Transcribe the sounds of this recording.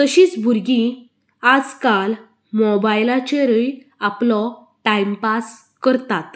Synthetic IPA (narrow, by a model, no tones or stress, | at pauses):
t̪əɕĩːt͡sbʱuɾɡĩ | ad͡zkal | mɔbajlat͡ɕeɾəj | aplɔ | ʈaimpas | kəɾt̪at̪